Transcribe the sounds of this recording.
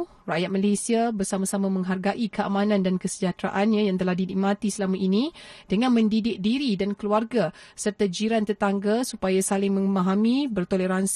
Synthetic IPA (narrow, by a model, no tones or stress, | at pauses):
rajat̪̚malesiabərsamasamãmə̃ŋɦarɡaʔikəa̰mãnãndankəsəd͡ʒat̪ɾaʔanɲãjaŋt̪əlahdinimãt̪isəlamaʔinĩd̥əŋãnmə̃ndidɪk̚diɾidankəluarɡa | sərt̪ad͡ʒiɾant̪ərt̪aŋɡasupajasalɪŋmə̃ŋmaɦamĩbərt̪oleɾans